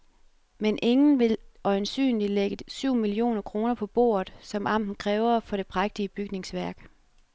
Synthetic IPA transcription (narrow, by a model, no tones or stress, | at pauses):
menʔe̝ŋn̩ʋe̝lɒ̽ɪnsy̰ːnlileɡ̥əsyʊ̰milio̝̰ːnɐkʰʁo̝ːnɐpʰɒ̽b̥o̝̰ːɐð̩ˠsɒ̽mʔɑ̈m̰d̥n̩kʰʁɛːʊɐfɒ̽ɾ̥e̝pʰʁaɡ̥̚d̥iəb̥yɡ̥ne̝ŋsʋæɐɡ̥